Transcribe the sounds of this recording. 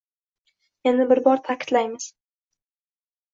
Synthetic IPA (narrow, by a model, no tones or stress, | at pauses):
janɪbɪɾbɒɾt̪ʰakʲʰɪ̥t̪lajmɪz̥